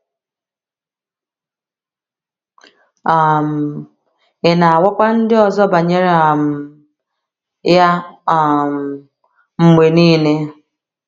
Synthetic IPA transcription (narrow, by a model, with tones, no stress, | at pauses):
a˨m̩˨ | ɪ˨na˨a˨wɔ˦kʷa˦n̩˦dɪ˦ɔ˨zɔ˦ba˨ɲe˦ɾe˨˦a˨m̩˨ | ja˦a˨m˨ | ŋ͡m̩˨me˨niː˦ne˦